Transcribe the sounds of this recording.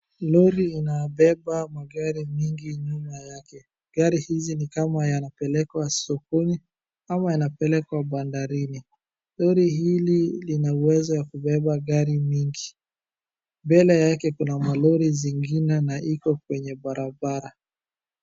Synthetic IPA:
lɔɾiːnabɛbamaɡaɾimiŋɡiɲumajakɛ | ɡaɾihizinikamajanapɛlɛkwasɔkuni | amajanapɛlɛkwaɓandaɾini | lɔɾiɦililinauwɛzɔwakuɓɛɓaɡaɾimiŋɡi | mbɛlɛjakɛkunamalɔɾiziŋɡinɛnaʔikɔkwɛɲɛbaɾabaɾa

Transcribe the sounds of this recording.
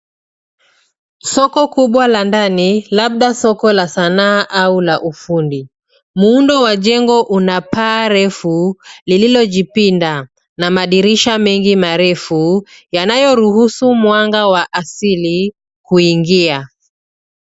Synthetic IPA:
sɔkɔkuɓwalandanilaɓ̚ɗasɔkɔlasanaːʔaulaʔufundi | muundɔwaʄɛŋɡɔʔunapaːɾɛfulililɔʄipinda | namaɗiɾiʃamɛŋɡimaɾɛfujanajɔɾuhusumwaŋɡawaʔasili | kuiŋɡia

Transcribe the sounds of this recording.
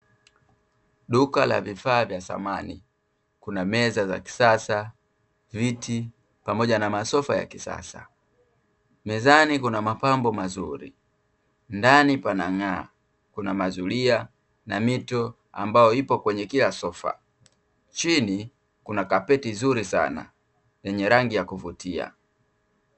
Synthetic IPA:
ɗukala̰vifaːvjasa̰manḭ | kunamɛzaza̰ki̥sasa | vitʰi | pamɔɟanamasɔfaja̰kisa̰sa | mɛzanikunamapambɔmazṵɾi | ndanipanaŋa | kunamazulia | namitɔ | a̰mbajɔipɔkwɛɲɛkilasɔfa̰ | t͡ʃini | kunakapɛtizuɾisa̰na̰ | jɛɲɛɾaŋɡijakuvutia̰

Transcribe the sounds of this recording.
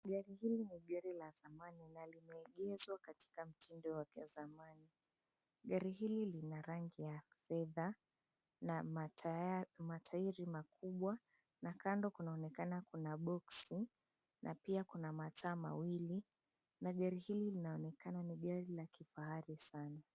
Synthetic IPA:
ɠaɾihiliniɠaɾilazamaninalimɛːɠɛzwakati̥kam̩tʰindɔwakɛzamani | ɠaɾiɦililinaɾaŋɡijafɛða | na | matʰaiɾimakʰuɓwa | nakandɔkunaɔnɛkanakunaɓɔksi | nʔapiakunamataːma̰wili | naɠaɾihililinaɔnɛkananiɠaɾilakifaaɾisana

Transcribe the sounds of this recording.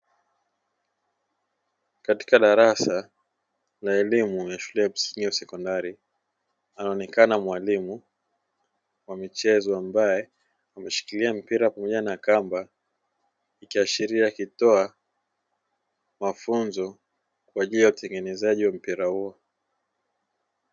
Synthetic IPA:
kati̥kaɗaɾasa | laɛlimujaʃulɛam̩siŋɡiwasɛkɔndaɾi | anaɔnɛkanamwalimu | wamit͡ʃɛzɔambajɛ | amɛʃi̥kiliam̩piɾapamɔʄanakamba | ikiaʃiɾiakitɔa | mafunzɔ | kwaʄilijautɛŋɡɛnɛzaʄiwam̩piɾahuɔ

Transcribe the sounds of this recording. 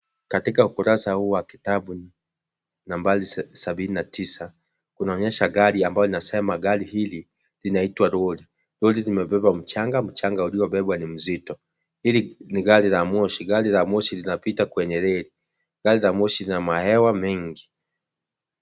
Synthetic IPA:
katikaukuɾasahuːwaki̥taɓu | nambalisaɓininatʰisa | kunaɔɲɛʃaɡaɾiambajɔlinasɛmaɡalihili | linaitwaɾɔli | ɾɔlilimɛpɛpam̩t͡ʃaŋɡam̩t͡ʃaŋɡauliɔɓɛɓwanim̩zitɔ | hiliniɡalilamɔʃiɡalilamɔʃilinapitakwɛɲɛɾɛli | ɡalilamɔʃilinamahɛwamɛŋɡi

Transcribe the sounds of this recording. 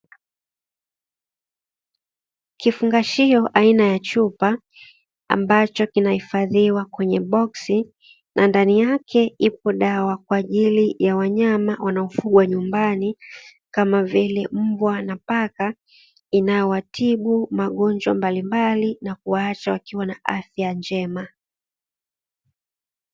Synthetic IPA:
kifuŋɡaʃiɔʔainajat͡ʃupa | a̰mbat͡ʃɔkinahifaðiwakwɛɲɛɓɔksi | nʔandanijakʰɛipɔɗawakwaːʄilijawaɲamawanaɔfuɠwaɲumbani | kamavilɛm̩bwanapaka | inajɔwatʰiɓumaɠɔnd͡ʒwa̰mbalimbalinakuwaat͡ʃawakiwanaʔafjand͡ʒɛma

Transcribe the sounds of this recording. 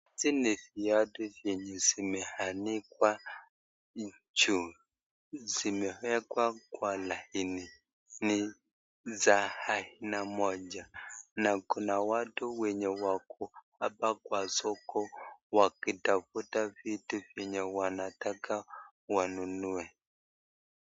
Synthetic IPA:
ziniθijatuvjɛɲɛzimɛhanikwa | d͡ʒu | zimɛhɛkwakwalahini | ni | zahahinamɔd͡ʒanakunawatuwɛɲɛwakuhapakwasɔkɔwakitafutavituvjɛɲɛwanataka | wanunuɛ

